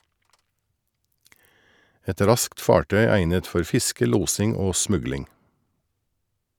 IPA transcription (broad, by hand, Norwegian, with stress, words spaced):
ˈɛt ˈɾɑskt ˈfɑːʈœʏ ˈæɪnət ˈfɔɾ ˈfɪskə ˈluːsɪŋ ˈoː ˈsmʉɡlɪŋ